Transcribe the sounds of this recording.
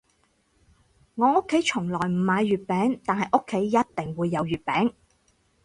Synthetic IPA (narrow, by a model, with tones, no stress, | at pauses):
ŋɔː˨˧ʊ˥kʰːe˨˥jt͡ʃʰʊ˨˩ŋlɔː˨˩jm̩˨˩maː˨˧jɥyː˨t̚pɛː˨˥ŋt̪aː˨nhɐ˨jʔʊ˥kʰːe˨˥jːɐ˥t̚t̪ɪ˨ŋwuː˨˧jːɐ˨˧wjyː˨˩t̚pɛː˨˥ŋ